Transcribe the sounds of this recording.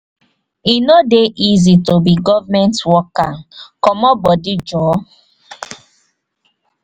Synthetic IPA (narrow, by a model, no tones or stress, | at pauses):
inodeʔizitobiɡɔvamɛ̃ntwɔkakɔmɔbɔdid͡ʒɔ